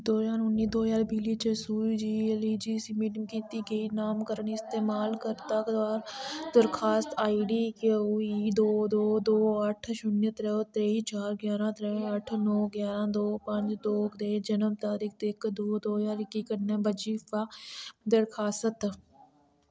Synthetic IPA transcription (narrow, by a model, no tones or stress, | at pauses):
d̪oːjaːɾʊnːiːd̪oːzaːɾbʱiːliːt͡ʃeːsuːd͡ʒiːeliːd͡ʒiːsimiːʈɪmkiːt̪iːɡəiːnaːmkəɾəɳɪst̪eːmaːlkəɾt̪akd̪aːɾd̪əɾkʰaːst̪aːiɖiːkeuiːd̪oːd̪oːd̪oːəʈʰʃʊnjət̪ɾɛːot̪ɾeːit͡ʃaːɾɡjaːɾãːt̪ɾɛɐʈʰnɔːɡjaːɾãːd̪oːpə̃ɲd͡ʒd̪oːkd̪eːd͡ʒənəmt̪aːɾiːkʰd̪ekd̪oːd̪oːɦzaːɾɪkːiːkəɾnẽːbəd͡ʒiːfaːd̪əɾkʰaːsət̪